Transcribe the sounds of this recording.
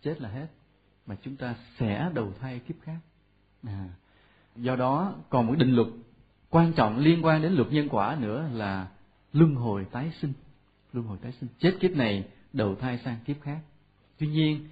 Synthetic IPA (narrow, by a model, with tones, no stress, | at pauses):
t͡ɕe˦˥t̚laː˨˩ɦe˦˥t̚ | maː˨˩t͡ɕʊ˨˦ŋ͡mt̪aː˧sɛ̰˧˥ɗə˨˩wt̪ʰaː˧jki˦˥əp̚xaː˦˥k̚ | ʔaː˨˩ | zɔ˧ɗɔ˨˦kɔ˨˩nmo˨˩t̚ɗï˨ŋlwə˨˩t̚ | kwaː˧nt͡ɕɔ̰˧˨wŋ͡mli˧ənkwaː˧nɗe˨˦nlwə˨˩t̚ɲə˧nkwaː˧˩nɨ̰˧˥əlaː˨˩ | lɨ˧əŋɦo˨˩jt̪aː˨˦jsï˧ŋ̟ | lɨ˧əŋɦo˨˩jt̪aː˨˦jsï˧ŋ̟t͡ɕe˦˥t̚ki˦˥əp̚na˨˩j | ɗə˨˩wt̪ʰaː˧jsaː˧ŋki˦˥əp̚xaː˦˥k̚ | t̪wi˧ɲi˧ən